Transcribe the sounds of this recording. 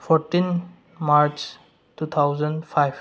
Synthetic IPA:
fʰɔɾʈin | maɾt͡ʃ | tut̪ʰawzə̃nfʰajb

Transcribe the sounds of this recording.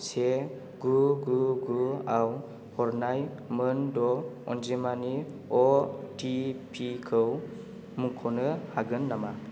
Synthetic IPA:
se | ɡuɡuɡuaw | hɔɾnaj | mɯndɔɔnzemani | ɔtipʰikʰɯw | mukʰɔnɯhaɡɯnːama

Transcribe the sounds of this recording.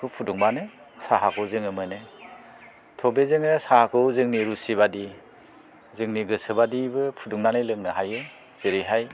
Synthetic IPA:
kʰɯpʰuduŋbanɯ | saɦakʰɯwzɯŋɯmɯnɯ | tʰɔbezɯŋɯsahakʰɯwzɯŋniɾusiβadi | zɯŋniɡɯsɯbadibɯpʰuduŋnanɯjlɯŋnɯɦajɯ | z̥eɾiɦaj

